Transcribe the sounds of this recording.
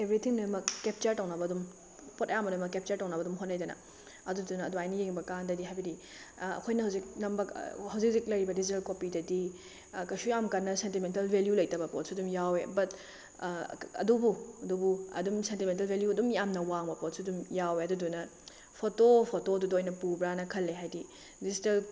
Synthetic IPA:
ebɾitʰiŋnɐmɐkːep̚t͡ʃɐɾtɐwnɐbɐdum | potɐjambɐdumɐkːep̚t͡ʃɐɾtɐwnɐbɐdumɦotnːajdɐnɐ̰ | ɐdudunɐːduajnɐjeŋbɐkandɐdiɦajbɐdi | ɐ̰kʰojnɐɦɐwzik̚nɐmbɐhɐwzik̚zik̚lɐɾibɐdizitɐlkopidɐdi | kɐjsujamkɐnːɐsentimentɐlbʱeljulɐjtɐbɐpot̚sudumjawebɐt | ɐ̰dubuɐdubuɐ̰dumsentiment̬ɐlbʱeljuɐdumjamnɐwaŋbɐpot̚sudumjaweɐdudunɐ | pʰotopʰotodudojnɐpubɾanɐkʰɐlːeɦajdi | dizitɐl

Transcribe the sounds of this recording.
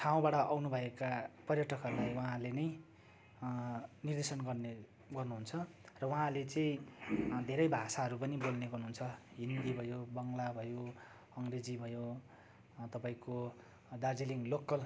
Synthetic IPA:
ʈʰaw̃baɽʌʔawnubʱʌekapʌrjʌʈʰʌkʌrulajwaɦãlenʌj | nird̪esʌnɡʌrne | ɡʌrnuɦunt͡sʰʌ | rʌwaɦãlet͡sʌĩ | d̪ʱeɾʌjbʱasaɦʌɾupʌnibolneɡʌrnuɦunt͡sʰʌɦind̪ibʱʌjobʌŋlabʱʌjo | ʌŋɡred͡zibʱʌjo | t̪ʌpaĩko | d̪ard͡ziliŋlokːʌl

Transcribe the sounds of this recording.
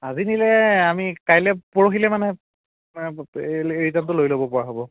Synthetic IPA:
azinilɛamikajlɛpoɹoxilɛmanɛ | eɹitantʊlojlobɔpɔɹaɦobɔ

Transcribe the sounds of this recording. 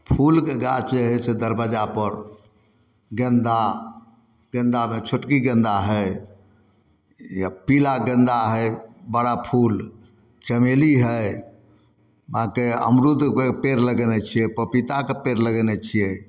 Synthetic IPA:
pʰulkeɡat͡ʃd͡ʒeɦesed̪əɾbəd͡ʒapəɾ | ɡə̃nd̪a | ɡə̃nd̪amet͡ʃʰuʈkiɡə̃nd̪aɦəj | jpilaɡə̃nd̪aɦəjbəɽapʰul | t͡ʃəmeliɦəj | bãkeə̰mɾud̪ʱkepeɾləɡɛnɛt͡ʃʰijɛpəpit̪akepeɾləɡɛnɛt͡ʃʰijɛ

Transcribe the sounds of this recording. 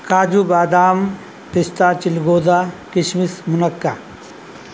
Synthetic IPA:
kaːd͡ʒubaːd̪aːm | pɪst̪aːt͡ʃɪlɡoːd̪aːkɪʃmɪsmʊnɐkːa

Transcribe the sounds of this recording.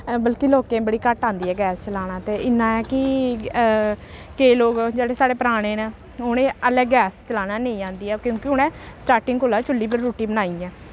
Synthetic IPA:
bəlkiloːkẽːbəɽiːkəʈãːnd̪iːɛːɡɛːst͡ʃəlaːñaːt̪eːɪnːãːɛːkɪ | keːloːɡd͡ʒeːɽeːsaːɽeːpəɾaːɽ̃eːnẽː | ɦʊnẽːəlɛ̃ːɡɛːst͡ʃəlaːnaːneĩːãːnd̪iːɛːkjõːkɪɦʊnɛ̃ːsʈaːɾʈɪ̃ŋɡkoːlaːt͡ʃʊlːiːbɪɾɾuːʈiːbənaːiːɛ̃ː

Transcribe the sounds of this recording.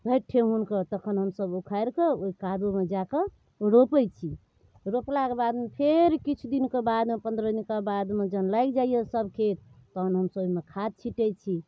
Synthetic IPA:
bʱəʈʰːeɦunkət̪əkʰənɦəmsəbukʰajɾkeoikad̪umed͡ʒake | ɾopɛjt͡ʃʰi | ɾoplakebad̪mepʰeɾkit͡ʃʰud̪inkebad̪mepənd̪ɾəd̪inkabad̪med͡ʒənlajkd͡ʒaijesəbkʰet̪ːəkʰənɦəmsəbmekʰad̪̚t͡ʃʰiʈɛt͡ʃʰi

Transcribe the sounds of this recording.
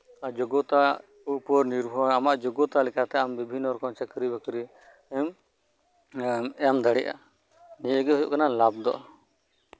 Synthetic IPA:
d͡ʒɔɡɔt̪a | upɔɾniɾbʱɔamaʔd͡ʒɔɡɔt̪alɛkat̪ɛambibʱinːɔɾɔkɔt͡ʃəkɾibəkɾi | ɛm | ɛjamd̪aɽɛʔa̰ | nijəɡɛɦujɔ̰ʔkanalab̚d̪ɔ̰ʔɔ

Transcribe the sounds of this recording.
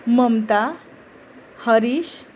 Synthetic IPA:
məmt̪a | həɾiɕ

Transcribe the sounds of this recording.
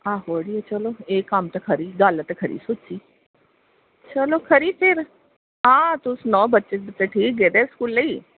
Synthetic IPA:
ãːɦoːɽiːɛt͡ʃəloːeːkːamt̪akʰəɾiːɡalt̪ekʰəɾḭːsʊt͡ʃiː | t͡ʃəloːkʰəɾiːpʰɪɾ | ãːt̪ʊsnɔ̃ːbətːʃekbɪt̪ːeʈʰiːk̚ɡeːd̪eskuːlːəiː

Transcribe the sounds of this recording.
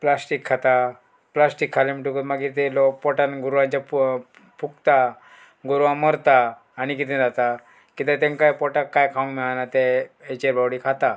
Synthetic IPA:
plasʈikʰːat̪a | plasʈikʰːalemiʈukət̪maɡit̪elokpɔʈanɡuɾʋãɲt͡ɕap | pukt̪a | ɡuɾʋãməɾt̪aː | ñikit̪ẽd͡zat̪a | kit̪at̪ẽŋkajpɔʈakːajkʰaũŋmɛɭanat̪eet͡ɕeɾbawɽikʰat̪a

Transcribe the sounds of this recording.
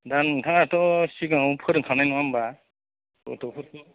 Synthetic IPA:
dantʰaŋatɔsiɡaŋupʰɯɾŋkʰanajnanba | ɔ̰tɔpʰɯɾtɔ

